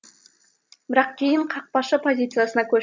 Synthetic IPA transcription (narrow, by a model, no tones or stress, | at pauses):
b̥ɪɾɑqkʲʰe̞jɪɴqʰɑq̚pɑʃəpʰo̞zʲit̪sɨjasənɑkʲʰɵ